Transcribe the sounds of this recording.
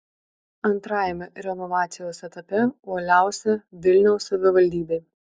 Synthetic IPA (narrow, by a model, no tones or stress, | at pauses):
ɐnt̪ɾɑːjɛmʲɛɾʲɛnɔʋɑːt̪sʲɪjoːsɛt̪ɐpʲɛuɔlʲæˑʊsʲɛʋʲɪlʲnʲɛʊsːɐʋʲɪʋɐlʲd̪ʲiːbʲeː